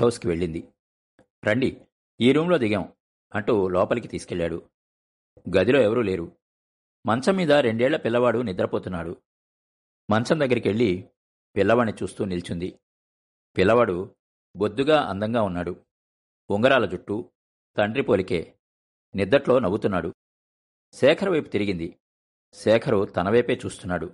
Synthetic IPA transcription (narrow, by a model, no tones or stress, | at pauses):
ʈowskiʋe̞ɭːind̪i | ɾɐɳɖi | iːɾuːmlo̞ːd̪iɡɐm | ɐɳʈuːlɔːpɐlikit̪iːsu̥kɛɭːaːɽu | ɡɐd̪ilo̞ːɛʋɐɾuːle̞ːɾu | mɐnt͡ʃɐmːiːd̪ɐɾe̞ɳɖɛːɭːɐpilːɐʋaːɽunid̪ɐɾɐpoːt̪unːaːɽu | mɐnt͡ʃɐmd̪ɐɡːɐɾikiʋe̞ɭːi | pilːɐʋɐnːit͡ʃuːst̪uːnilt͡ʃund̪i | pilːɐʋaːɽu | bo̞d̪ːuɡaːʔɐ̰nd̪ɐŋɡaːunːaːɽu | uŋɡɐɾaːlɐd͡ʒuʈːu | t̪ɐɳɖɾipo̞ːlike̞ː | nid̪ːɐʈlo̞ːnɐbut̪unːaːɽu | sɛːkʰɐɾɐʋɐjpu̥t̪iɾiɡind̪i | sɛːkʰɐɾut̪ɐnɐʋɐjpe̞ːt͡ʃuːst̪unːaːɽu